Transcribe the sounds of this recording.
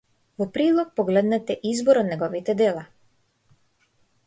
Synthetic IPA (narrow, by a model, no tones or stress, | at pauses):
vɔpɾid̪lˠɔk̚pɔɡlɛd̪nɛt̪ɛʔizbɔɾɔt̪nɛɡɔvit̪ɛd̪ɛlˠa